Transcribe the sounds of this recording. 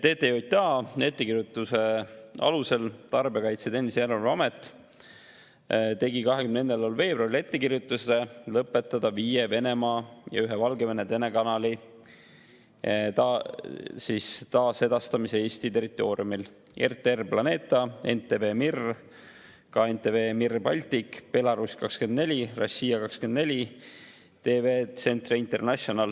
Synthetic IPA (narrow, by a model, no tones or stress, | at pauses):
t̪e̞ːt̪ːˑejot̪̚ʲt̪ɑe̞t̪ːe̞kirjut̪ːˑuse̞ɑ̰luse̞lt̪ɑrbekɑjt̪set̪e̞nʲːiseeɾovɑmet̪ːˑ | t̪e̞ɡikɑɦekymnee̞nːelolve̞ːbrɑɾile̞t̪ːe̞kirjut̪ːˑuse̞lɤpːˑe̞t̪ːˑɑd̪̥ɑviːjeve̞ne̞mɑːjɑ̰yɦevɑlɡe̞ve̞net̪e̞nekɑnɑli | t̪ɑ | sist̪ɑːse̞d̪̥ɑst̪ɑmisee̞ːst̪it̪e̞rit̪ːˑo̞ːɾḭumil | e̞̰rt̪eerplɑne̞ːt̪ːˑɑe̞̰nt̪ːˑeve̞ːmir | kɑːe̞nt̪eveːmirbɑlʲt̪ikpe̞lɑɾuskɑkske̞nd̪ne̞lʲirɑsʲiːɑkɑkske̞nd̪ne̞lʲi | t̪e̞ːveːt̪se̞nt̪riint̪e̞rnɑsonɑl